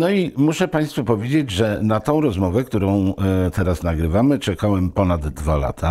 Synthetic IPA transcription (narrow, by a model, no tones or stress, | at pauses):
nɔimuʂɛpaj̃st̪fupɔvʲjed͡ʑed͡ʑʐɛnat̪ɔ̃w̃ɾɔzmɔvɛkt̪uɾɔ̃w̃t̪ɛɾasnaɡɾɘvamɘt͡ʂɛkawɛmpɔnad̪ːvala̰t̪ʰa